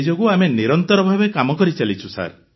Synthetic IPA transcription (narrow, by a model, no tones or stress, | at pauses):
d͡ʒoɡuameniɾɔnt̪ɔɾɔbʱabekamɔkɔɾit͡ʃalit͡ʃʰusa̰ɾ